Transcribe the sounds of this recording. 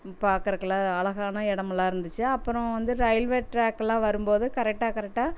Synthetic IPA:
paːɾkɯɾɯkːɐɭlãːɐɭɐɣaːnɐɛɽɐmɐlːãːɪɾɯnd̪ɯt͡ʃːɯɐpːɯɾɔ̃ʋɐnd̪ɯɾɐɪlʋeːʈɾaːkːɛlãːʋɐɾɯmpoːðɯkɐɾɛk̚ʈːaːkɐɾɛk̚ʈːaː

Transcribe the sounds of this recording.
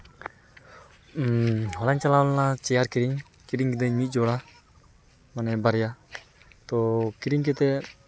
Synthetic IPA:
hɔlaɲt͡ʃalawnat͡ʃɛjaɾkiɾiŋ | kiɾiŋkɛd̪ɛɲmit̪̚ˀd͡ʒɔla | manɛbaɾija | t̪ɔkiɾiŋkɛt̪ɛ

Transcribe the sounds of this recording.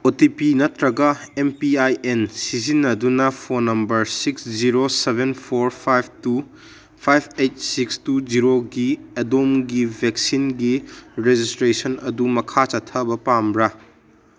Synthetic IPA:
otipinɐtɾɐɡɐempiajensizinːɐdunɐpʰonɐmbɐɾsiksd͡ʒiɾosebʱenpʰoɾpʰajb̚ʱtu | pʰajbejt̚sikstud͡ʒiɾoɡiɐdomɡibʱek̚sinɡiɾed͡ʒistɾesɐnɐdumɐkʰat͡ʃɐtʰːɐbɐpambɾɐ

